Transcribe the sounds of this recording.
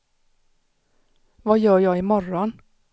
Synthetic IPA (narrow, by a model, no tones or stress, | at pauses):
ʋɑːjøːjɑɪɪːmɔɾɔn